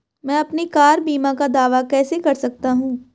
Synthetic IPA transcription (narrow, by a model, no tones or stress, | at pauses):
mɛ̃ːɐpnikaːɾbiːmãkad̪aːʋakɛːsekɐɾsɐk̚t̪aɦũː